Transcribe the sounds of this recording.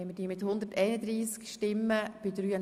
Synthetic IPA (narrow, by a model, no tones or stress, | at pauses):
ɛməd̥iːmɪt̪hʊnd̪əɾtɛɪnəd̪ɾiːskʃtɪmːəb̥ɪdɾyːə